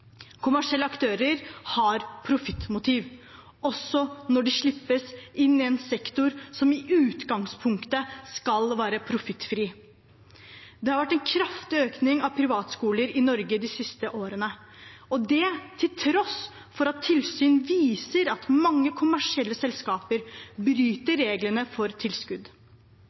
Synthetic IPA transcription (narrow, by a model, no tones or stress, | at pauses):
kʰʊmæʂɪɛlːəɑkt̪ʰøːɾəɾhɑɾpʰɾʊfɪt̪ːmʊt̪ʰiːʋ | ɔsːɔnɔɖɛʂɭɪpːəsɪnːɪɛnsɛkt̪ʊɾsɔmɪʔʉːt̪ɡɑŋspʰʊŋkt̪əskɑlʋæːɾəpʰɾʊfɪt̪ːfɾiː | d̪ɛhɑɾʋæʈːɛnkʰɾɑft̪ɪøːknɪŋɑʋpʰɾɪʋɑːt̪skuːləɾɪnɔɾɡəd̪ɪsɪst̪əʔoːɾənə | ɔd̪ɛt̪ʰɪlt̪ʰɾɔs | fɔɾɑt̪ʰːɪlsyːnʋiːsəɾɑt̪mɑŋːəkʰʊmæʂɪɛlːəsɛlskɑːpəɾbɾyːt̪əɾeːɡlənəfɔɾt̪ʰɪlskʉd̪